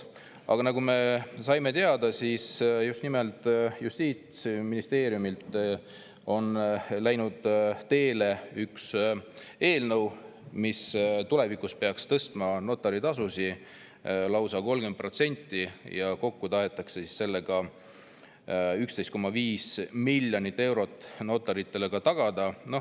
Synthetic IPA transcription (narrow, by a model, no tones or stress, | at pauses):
ɑ̰ɡ̥ɑnɑɡume̞sɑjme̞t̪eɑd̪̥ɑsiːsjust̪nimelt̪ˑjust̪iːt̪sminist̪e̞ːɾjumilt̪ˑ | o̞nlæjnud̪̥t̪e̞ːle̞yks | e̞ːlnɤ̞w | mist̪ule̞vikuspe̞ɑkst̪ɤst̪mɑno̞t̪ːˑɑɾit̪ɑsusi | lɑwsɑko̞lɡ̥e̞nt̪̚pro̞t̪se̞nʲt̪ːijɑko̞kːut̪ɑɦe̞t̪ːˑɑkse̞si̥sːe̞lːe̞ɡ̥ɑ | ykst̪e̞jst̪ko̞mːɑviːsmilʲːjonit̪ːe̞wɾo̞t̪ːˑno̞t̪ːˑɑɾit̪ːe̞le̞ɡ̥ɑt̪ɑɡ̥ɑd̪̥ɑno̞h